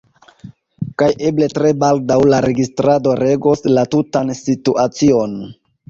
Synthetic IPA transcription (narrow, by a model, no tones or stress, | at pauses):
kaje̞ble̞tɾe̞baldawlaɾe̞ɡistɾado̞ɾe̞ɡoslatutansituʔat͡sio̞n